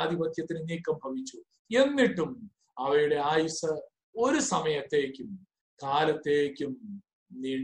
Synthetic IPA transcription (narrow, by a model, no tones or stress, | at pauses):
d̪ʱibɐt̪jɐt̪ːinɨniːkːɐmbʱɐʋit͡ɕːu | e̞nːiʈːum | ɐʋɐɾuɽe̞aːjusɐ | o̞ɾusɐmɐjɐt̪ːe̞ːkʲːum | kaːlɐt̪ːe̞ːkʲːum | ni